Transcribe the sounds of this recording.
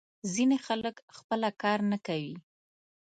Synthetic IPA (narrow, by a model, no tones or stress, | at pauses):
zinexaləkxpəlakɑɾnakawi